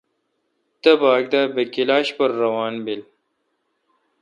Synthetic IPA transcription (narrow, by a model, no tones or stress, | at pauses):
t̪əbaːɡ̚d̪aːbekilaːɕpɐɾːɐwaːnbil